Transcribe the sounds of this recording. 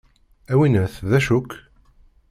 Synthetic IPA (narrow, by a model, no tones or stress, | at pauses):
æwinəθðæʃʊkː